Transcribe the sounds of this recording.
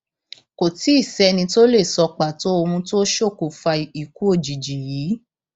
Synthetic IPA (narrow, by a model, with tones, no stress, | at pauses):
ko˨ti˨˦i˦˨sɛ˦nĩ˧to˦le˦˨sɔ˧k͡pa˨to˨˦o˧ũ˧to˦ʃo˦˨ko˨fa˧˨i˨ku˦o˦˨d͡ʒi˨d͡ʒi˨jiː˨˦